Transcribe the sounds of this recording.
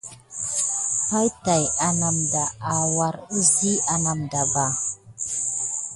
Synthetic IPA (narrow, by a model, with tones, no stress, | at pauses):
pa˦jta˨ja˨na˨mda˨a˨wa˨ɾu˦si˦a˨na˨mda˨ba˨